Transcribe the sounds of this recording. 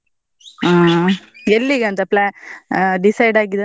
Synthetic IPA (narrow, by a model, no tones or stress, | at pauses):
aːɛlːiɣɐɐnd̪ɐplɛ | ɖɪsɐɪɖaːɡið